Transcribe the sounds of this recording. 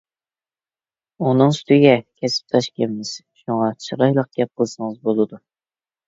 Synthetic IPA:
unɨŋsy̥t̪ɪɡʲɛkʲʰɛsɪ̥p̚t̪ʰɑʃkʲʰemmɪz̥ʃuŋɑt͡ʃʰɨɾɑjlˠəq̚ɡ̥ʲɛp̚qʰəlˠsɨŋəzbolˠɨd̪u

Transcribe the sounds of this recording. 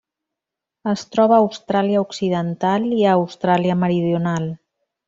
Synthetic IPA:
əst̪ɾɔβəːwst̪ɾaliəuksiðənt̪aliəːwst̪ɾaliəməɾiðjunalˠ

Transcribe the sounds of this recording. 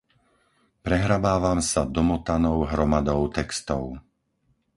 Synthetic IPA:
pɾɛɦɾabaːʋamsad̪ɔmɔt̪anɔʊɦɾɔmad̪ɔʊt̪ɛkst̪ɔʊ

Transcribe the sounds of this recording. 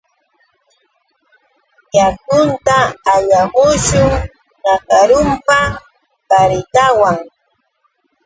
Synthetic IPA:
jakʊnt̪aːʎaɢʊʃʊŋ | nakaɾʊmpa | paɾɪt̪awaŋ

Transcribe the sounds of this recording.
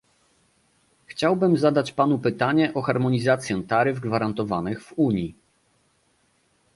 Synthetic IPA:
xt͡ɕawbɘmzad̪at͡ɕpanupɘt̪aɲɛʔɔxaɾmɔɲizat̪sʲjɛ̃t̪aɾɘvɡvaɾant̪ɔvanɘɣv̥uɲi

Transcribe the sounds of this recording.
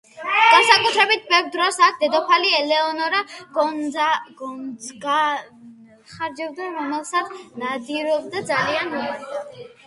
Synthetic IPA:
ɡ̥ansakʼut̪ʰɾɛbit̪̚ʰbɛvɾd̪ɾɔsak̚ʰd̪ɛd̪ɔpʰaliɛlɛɔnɔɾaɡɔnaɡɔnzɡa | χaɾd͡ʒɛb̚d̪aɾɔmɛlˠsat̪sʰnad̪iɾɔb̚d̪ad̪zalianɔ

